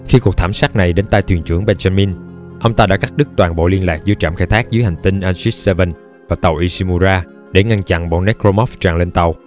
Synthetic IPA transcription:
xi˧ku˨˩k̚t̪ʰːmsaː˦˥k̚na˨˩jɗe˨˦nt̪aː˧jt̪ʰwi˨˩ənt͡ɕɨ˧˩əŋɓɛː˧nza˧mi˧n | ʔə˧wŋ͡mt̪aː˧ɗa̰ː˧˥ka˦˥k̚ɗɨ˦˥k̚t̪waː˨˩nɓo̰˧˨li˧ənlaː˨˩k̚zɨ̰˨˦t͡ɕa̰ː˧˩mxaː˧jt̪ʰaː˦˥k̚zɨ˨˦jha˨˩jŋ̟t̪ï˧ŋ̟ʔaː˧nsi˦˥sɛ˧və˧˩n | vaː˨˩t̪ə˨˩wʔi˧si˧mu˧zaː˧ | ɗe˧˩ŋa˧nt͡ɕa̰˧˩˨nɓo̰˧˨nɛ˦˥kzo˧mɔ˦˥ft͡ɕaː˨˩ŋle˧nt̪ə˨˩w

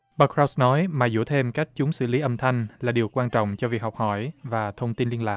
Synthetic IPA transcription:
ɓə˧kɹɔ˦˥wsnɔ˨˦jmaː˨˩zṵ˧˩t̪ʰe˧mka˦˥jk̟̚t͡ɕʊ˨˦ŋ͡msɨ̰˧˩li˨˦ʔə˧mt̪ʰa˧jŋ̟laː˨˩ɗi˨˩əwkwaː˧nt͡ɕɔ̰˧˨wŋ͡mt͡ɕɔ˧vi˨˩ək̚ha˨˩wk͡p̚hɔ˧˩jvaː˨˩t̪ʰə˧wŋ͡mt̪i˧nli˧ənlaː˨˩k̚

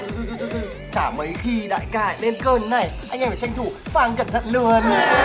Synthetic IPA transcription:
t͡ɕaː˧˩mə˨˦jxi˧ɗa̰ː˧˨jkaː˧˩jɗe˧nkəː˧˩nːa˨˩jʔa˧jŋ̟ʔfaː˧˩t͡ɕa˧jŋ̟t̪ʰu˧˩faː˧˩ŋkə˧˩nt̪ʰə̰˧˨nlɨ˨˧˩ən

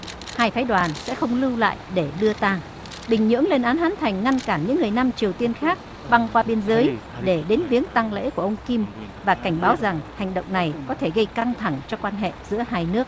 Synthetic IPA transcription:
haː˧jfʰaː˨˦jɗwaː˨˩nsɛ̰˧˥xə˧wŋ͡mlɨ˧wla̰ː˧˨jɗe˧˩ɗɨ˧ət̪aː˧ŋ | ɓï˨˩ŋ̟ɲɨ̰˧˥əŋle˧nʔaː˨˦nhaː˨˦nt̪ʰa˨˩jŋ̟ŋa˧nkaː˧˩nɲɨ̰˧˥ŋːɨ˨˩əjna˧mt͡ɕi˨˩əwt̪i˧ənxaː˦˥k̚ | ɓa˧ŋkwaː˧ɓi˧ənzəː˨˦jɗe˧˩ɗe˨˦nvi˨˦əŋt̪a˧ŋlḛ˧˥ku˧˩əʔə˧wŋ͡mki˧mvaː˨˩ka˧˩ŋ̟ɓaː˨˦wza˨˩ŋha˨˩ŋ̟ɗə̰˧˨wŋ͡mna˨˩jkɔ˨˦t̪ʰe˧˩ɣə˧jka˧ŋt̪ʰa˧˩ŋt͡ɕɔ˧kwaː˧nɦḛ˧˨zɨ̰˧˥əhaː˧jnɨ˦˥ək̚

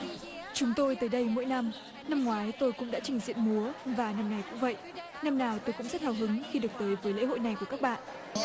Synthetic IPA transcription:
t͡ɕʊ˨˦ŋ͡mt̪o˧jt̪əː˨˦jɗə˧jmo̰˧˥˦jna˧m | na˧mŋwaː˨˦jt̪o˧jkʊ̰˧˥ŋ͡mɗa̰ː˧˥t͡ɕï˨˩ŋzḭ˧˨ənmu˨˦əvaː˨˩na˧mŋa˨˩jkʊ̰˧˥ŋ͡mvə̰˧˨jʔ | na˧mnaː˨˩wt̪o˧jkʊ̰˧˥ŋ͡mzə˦˥t̚haː˨˩wɦɨ˨˦ŋxi˧ɗɨ˨˩ək̚t̪əː˨˦jvəː˦jlḛ˧˥ɦo̰˧˨jna˨˩jku˧˩ka˦˥k̚ɓa̰ː˧˨nʔ

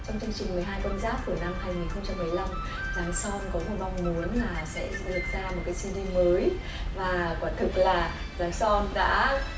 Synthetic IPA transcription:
t͡ɕɔ˧wŋ͡mt͡ɕɨ˧əŋt͡ɕï˨˩ŋ̟mɨ˨˩əjɦaː˧jkə˧nzaː˦˥k̚ku˧˩əna˧mhaː˧jŋi˨˩nxə˧wŋ͡mt͡ɕa˧mːɨ˨˩əjla˧m | zaː˨˦nsɔ˧nkɔ˨˦mo˨˩t̚ma˧wŋ͡mmu˨˦ənlaː˨˩sɛ̰˧˥zɨ̰˧˨ɗɨ˨˩t̚zaː˧mo˨˩t̚kaː˨˦si˧li˧məː˨˦j | vaː˨˩kwaː˧˩nt̪ʰɨ˨˩k̚laː˨˩ | zaː˨˦jsɔ˧nɗa̰ː˧˥

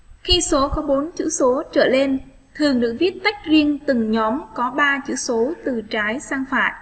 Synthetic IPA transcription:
xi˧so˨˦kɔ˨˦ɓo˨˦nt͡ɕɨ̰˧˥so˨˦t͡ɕə̰ː˧˩le˧n | t̪ʰɨ˨˩əŋɗɨ˨˩ək̚vi˦˥ət̚t̪a˦˥jk̟̚zi˧əŋt̪ɨ˨˩ŋɲɔ˨˦mkɔ˨˦ɓaː˧t͡ɕɨ̰˧˥so˨˦t̪ɨ˨˩t͡ɕaː˨˦jsaː˧ŋfa̰ː˧˨jʔ

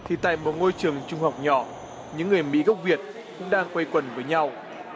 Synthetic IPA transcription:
t̪ʰi˨˩t̪a̰ː˧˨jmo˨˩t̚ŋo˧jt͡ɕɨ˨˩əŋt͡ɕʊ˧ŋ͡mɦa˨˩wk͡p̚ɲɔ˧˩ | ɲɨ̰˧˥ŋːɨ˨˩əjmḭ˧˥ɣə˦˥k͡p̚vi˨˩ət̚ | kʊ̰˧˥ŋ͡mɗaː˧ŋkwə˧jkwə˨˩nvəː˨˦jɲa˧w

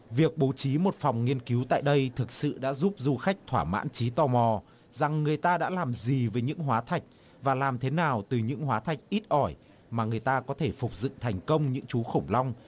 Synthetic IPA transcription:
vi˨˩ək̚ɓo˨˦wt͡ɕi˨˦mo˨˩t̚fɔ˨˩wŋ͡mŋi˧ənki˨˦wt̪a̰ː˧˨jɗə˧jt̪ʰɨ˨˩k̚sɨ̰˧˨ɗa̰ː˧˥zu˦˥p̚zu˧xa˦˥jk̟̚t̪ʰwaː˧˩ma̰ː˧˥nt͡ɕi˨˦t̪ɔ˧mɔ˨˩ | za˨˩ŋːɨ˨˩əjt̪aː˧ɗa̰ː˧˥laː˨˩mzi˨˩vəː˨˦jɲɨ̰˧˥ŋɦwaː˨˦t̪ʰa˨˩jk̟̚ | vaː˨˩laː˨˩mt̪ʰe˨˦naː˨˩wt̪ɨ˨˩ɲɨ̰˧˥ŋɦwaː˨˦t̪ʰa˨˩jk̟̚ʔi˦˥t̚ʔɔ˧˩j | maː˨˩ŋɨ˨˩əjt̪aː˧kɔ˨˦t̪ʰe˧˩fʊ˨˩k͡p̚zɨ̰˧˨t̪ʰa˨˩jŋ̟kə˧wŋ͡mɲɨ̰˧˥ŋt͡ɕu˨˦xə˧˩wŋ͡mla˧wŋ͡m

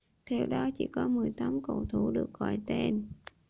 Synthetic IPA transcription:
t̪ʰe˧wɗɔ˨˦t͡ɕḭ˧˩˦kɔ˨˦mɨ˨˩əjt̪aː˨˦mko̰˧˩wt̪ʰu˧˩˦ɗɨ˨˩ək̚ɣɔ̰˧˩jt̪e˧˩n

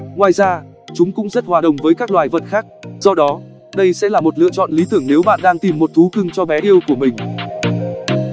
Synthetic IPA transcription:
ŋwaː˨˩jzaː˧ | t͡ɕʊ˨˦ŋ͡mkʊ̰˧˥ŋ͡mzə˦˥t̚hwaː˨˩ɗə̰˨˩wŋ͡mvəː˨˦jkaː˦˥k̚lwaː˨˩jvə˨˩t̚xaː˦˥k̚zɔ˧ɗɔ˨˦ | ɗə˧jsɛ̰˧˥laː˨˩mo˨˩t̚lɨ̰˧˨ət͡ɕɔ̰˧˨nli˨˦t̪ɨ˧˩əŋne˨˦wɓa̰ː˧˨nɗaː˧ŋt̪i˨˩mːo˨˩t̚t̪ʰu˨˦kɨ˨˧˩ŋt͡ɕɔ˧vɛ˨˦ʔi˧əwku˧˩əmï˨˩ŋ̟

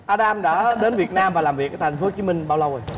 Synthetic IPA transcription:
ʔaː˧ɗaː˧mɗa̰ː˧˥ɗe˨˦nvi˨˩ət̚naː˧mvaː˨˩laː˨˩mvi˨˩ək̚ːt̪ʰŋ̟fo˨˦t͡ɕi˨˦mï˧ŋ̟ɓaː˧wlə˧wʔj

